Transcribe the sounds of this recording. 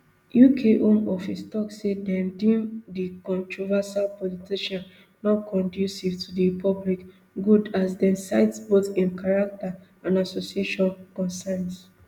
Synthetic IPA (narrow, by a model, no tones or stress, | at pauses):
jukʰeʔõmɔfistɔksedɛ̃ndĩmdikɔ̃ntɹɔvasalpɔlitiʃɔ̃nː | ɔtkʰɔ̃ndjusivtudiɹpʰɔblik | ɡudasdɛ̃nsaɪtsboθĩnkaɹak̚ta | ãnasosieʃɔ̃nkɔ̃nsɛ̃ns